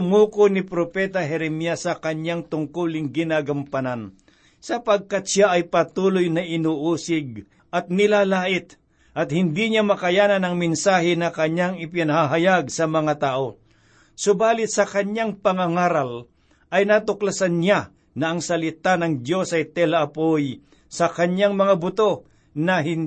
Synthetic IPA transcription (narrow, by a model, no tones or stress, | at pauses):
ʊmuːkonɪpɾopɛt̪ɐɦɛɾɛmijasːɐkɐɲjaŋt̪ʊŋkulɪŋɡɪnaːɡɐmpɐnan | sɐpɐɡ̚kat̪̚ʃaʔɐjpɐt̪uːlʊjnɐʔɪnuːʔuːsɪɡ̚ | ʔɐt̪̚nɪlaːlaːʔɪt̪ | ʔɐt̪̚hɪnd̪iɲamɐkɐjaːnɐnɐŋmɪnsaːɦɪnɐkɐɲaŋɪpjanɐhaɦɐjaɡ̚sɐmɐŋat̪aːʔo̞ | sʊbaːlɪt̪sɐkɐɲaŋpɐŋaŋaːɾal | ʔɐjnat̪ʊklasanːa | nɐʔɐŋsɐlɪt̪anɐŋd̪jo̞sɐjt̪ɛlɐʔɐpoj | sɐkɐɲaŋmɐŋabʊt̪o̞ | nɐɦɪn